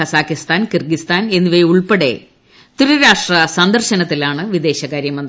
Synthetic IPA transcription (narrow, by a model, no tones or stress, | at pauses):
ɐsaːkːist̪aːnkirɡist̪aːne̞nːuʋɐjiuɭpeɽe̞ | t̪uɾuɾaːʂʈrɐsɐnd̪ɐrɕɐnɐt̪ːilaːɳɨʋid̪e̞ːɕɐkaːɾjɐmɐnd̪